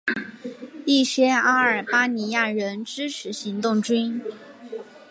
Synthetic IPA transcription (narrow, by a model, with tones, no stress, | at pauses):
i˥˩ɕɥɛ˥a˥ə˞˨˩pa˥ni˧˥ja˥˩ɻə˧˥nʈ͡ʂɻ̩˥ʈ͡ʂʰɻ̩˧˥ɕi˧˥ŋt̪ʊ˥˩ŋʈ͡ʂy˥n